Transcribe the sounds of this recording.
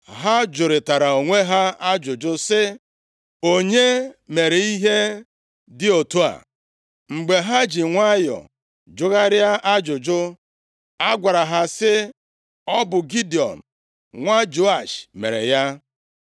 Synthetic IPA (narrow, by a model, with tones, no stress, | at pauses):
ɦa˦d͡ʒʊ˨ɾɪ˨ta˨ɾa˨o˨ŋʷe˦ɦa˦a˦d͡ʒʊ˨d͡ʒʊ˦sɪ˦ | o˦ɲe˦me˨ɾe˨i˦ɦe˦ | dɪ˦o˨tu˦a̰˨ | ŋ͡m̩˨ɡ͡be˨ɦa˦d͡ʒi˨ŋʷa˦jɔ̰˨ | d͡ʒʊ˦ɣa˦ɾja˦ʔa˦d͡ʒʊ˨d͡ʒʊ˦ | a˦ɡʷa˨ɾa˨ɦa˨sɪ˦ | ɔ˦bʊ˨ɡi˦di˨ɔ̰˨m̩˨ | ŋʷa˦d͡ʒo˦a˨ʃmḛ˨ɾḛ˨ja˦